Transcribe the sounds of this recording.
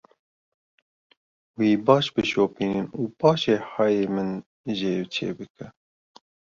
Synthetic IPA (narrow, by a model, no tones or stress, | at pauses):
wiːbɑːʃbɨʃoːpiːnɨnuːpʰɑːʃeːhɑːjeːmɨn | ʒeːwt͡ʃʰḛːbɨkʰɛ